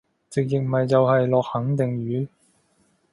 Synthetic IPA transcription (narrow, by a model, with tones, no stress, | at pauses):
t͡sɪ˨k̚jɪ˨k̚mɐ˨jt͡sɐ˨whɐ˨jlɔː˨k̚hɐ˨˥ŋt̪ɪ˨ŋɥyː˨˥